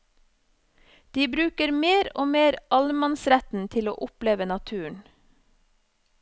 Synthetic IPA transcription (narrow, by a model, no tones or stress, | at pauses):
d̪̥iːbɾʉːkəɾmeːɾoːmeːɾɑlmɑnsɾæt̪n̩t̪ʰɪlo̰ːʔʊpleːʋənɑt̪ʰʉːəɳ